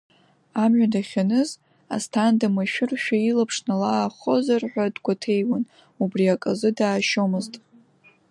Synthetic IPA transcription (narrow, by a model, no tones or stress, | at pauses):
amʕʷᶣadaχʲanɨz | a̰stʰandamaʃᶣʊrʃᶣailapʰʂnalaːχo̞zarħʷadɡʷatʰejwan | ubriakʼazɨdaːʃomɨztʼ